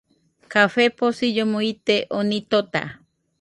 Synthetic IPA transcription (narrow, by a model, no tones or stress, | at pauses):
kafeposid͡ʒomoit̪eʔonit̪ot̪a̰